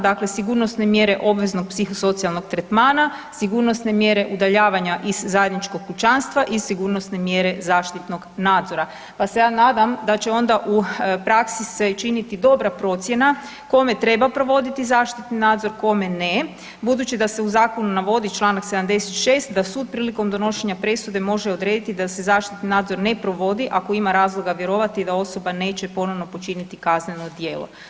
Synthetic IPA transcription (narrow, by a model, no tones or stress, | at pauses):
d̪akle̞siɡuɾno̞st̪ne̞mje̞ɾe̞ʔo̞bʋe̞zno̞ɡ̚psixoso̞t̪sialˠno̞ɡt̪ɾet̪maːna | siɡuɾno̞sne̞mje̞ɾe̞ʔud̪aʎaːʋaɲaʔizːaje̞d̪nit͡ʃko̞ɡ̚put͡ʃanst̪ʋaʔisiɡuɾno̞sne̞mje̞ɾe̞zaːʃt̪it̪no̞ɡnaːd̪zo̞ɾa | pase̞jaːnaːd̪amd̪at͡ɕe̞o̞nd̪aʔupɾaksise̞t͡ʃinit̪id̪o̞bɾapɾo̞t̪sʲje̞na | ko̞me̞t̪ɾe̞bapɾo̞ʋo̞d̪it̪izaːʃt̪it̪ninaːd̪zo̞ɾko̞me̞ne | bud̪ut͡ɕid̪ase̞uzaːko̞nunaʋo̞d̪it͡ʃlˠaːnaksed̪amd̪e̞set̪ʃeːst̪d̪asuːd̪̚pɾiːliko̞md̪o̞no̞ʃe̞ɲapɾe̞sud̪e̞mo̞ʒeo̞d̪ɾe̞ːd̪it̪id̪ase̞zaːʃt̪it̪ninaːd̪zo̞ɾne̞pɾo̞ʋo̞d̪iʔako̞imaɾaːzlˠoɡaʋje̞ɾo̞ʋat̪id̪ao̞so̞bane̞ːt͡ɕepo̞no̞ʋno̞po̞t͡ʃinit̪ikazneno̞d̪je̞ːlo̰